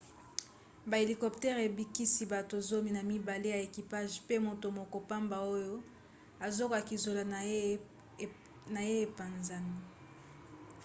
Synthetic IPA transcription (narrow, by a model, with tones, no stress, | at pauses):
ba˨e˨li˨kɔ˨ptɛ˦ʁe˨bi˦ki˦si˦ba˨to˨zo˦mi˦na˨mi˦ba˨le˦ja˨e˨ki˨pa˦ʒpe˦mo˨to˨mo˨ko˨pa˦mba˨o˦jo˦ | a˨zo˦ka˨ki˨zo˨la˨˦ | na˨je˦e˨pa˨nza˨ni˦